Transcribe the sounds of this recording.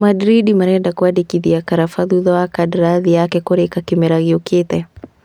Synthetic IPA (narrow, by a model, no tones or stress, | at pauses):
madɾidimaɾɛdakwadikiðiakaɾafaðuðɔakadɾaðijakɛkɔɾɛkakimɛɾaɣiuket̪ɛ